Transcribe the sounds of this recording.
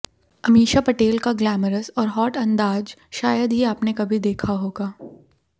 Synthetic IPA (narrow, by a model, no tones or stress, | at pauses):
ɐmiːʃapɐʈeːlkaɡlɛːməɾəsɔːɾɦɔːʈɐ̃nd̪aːd͡ʒʃaːjəd̪ɦiaːpnekɐbʱid̪eːkʰaɦoːɡaː